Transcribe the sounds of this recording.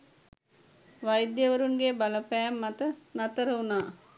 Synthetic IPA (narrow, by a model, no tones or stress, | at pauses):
ʋajd̪jəʋəɾunɡebaləpæːmːat̪ənat̪əɾəunaː